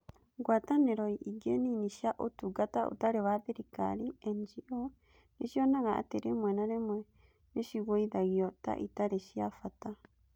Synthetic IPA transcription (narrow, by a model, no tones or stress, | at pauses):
ɡwataneɾojʔiɡeniniʃiaʔotuɡataʔo̰taɾeβaðeɾika̰ɾiend͡ʒiʔo | niʃionaɣaa̰teɾemwenaɾemwe | niʃiɣoiðaɣiɔta̰ʔitaɾeʃiafata